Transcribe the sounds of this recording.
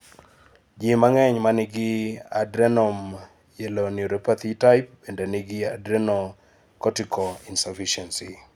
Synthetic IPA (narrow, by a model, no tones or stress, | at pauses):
d͡ʒimaŋɛɲmanɪɡɪadɾɛnɔm | jelonuɾopat̪itajp̚b̥endenɪɡɪadɾɛno | kɔtikɔinsafiʃɛnsi